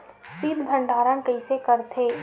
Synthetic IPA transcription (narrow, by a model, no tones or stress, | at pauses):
siːb̪d̪ʱə̃ɳɖʱaːɾənkəɪsekəɾt̪ʰeː